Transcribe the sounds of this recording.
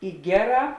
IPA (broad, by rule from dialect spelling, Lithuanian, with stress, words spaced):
ɪ ˈɡʲæːˌrɑː